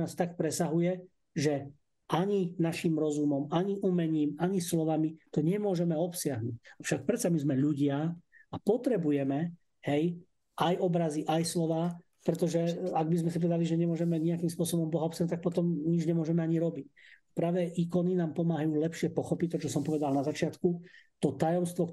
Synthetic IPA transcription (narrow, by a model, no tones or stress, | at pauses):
aːst̪ak̚pɾɛsaɦujɛ | ʒɛ | ʔaɲinaʃiːmɾɔzumɔmaɲiʔuːmɛɲiːmaɲislɔʋamit̪ɔɲɛmʊɔʒɛmɛɔpsɪaɦnucafʃak̚pɾɛt̪samizmɛʎuɟɪaapɔt̪ɾɛbujɛmɛ | hɛj | ajɔbɾaziʔajslɔʋaː | pɾɛt̪ɔʒɛaɡ̚bizmɛsipɔʋɛd̪aliʒɛɲɛmʊɔʒɛmɛɲɛakiːmspʊɔsɔbɔmbɔɦaɔpsjaɦnut̪ak̚pɔt̪ɔmɲid͡ʒɲɛmʊɔʒɛmɛaɲiɾɔbic̚pɾaːʋɛʔikɔninaːmpɔmaːɦajuːlɛpʃɪɛpɔxɔpic̚t̪ɔt͡ʃɔsɔmpɔʋɛd̪alnazat͡ʃɪat̪kut̪ɔt̪ajɔmst̪ʋɔk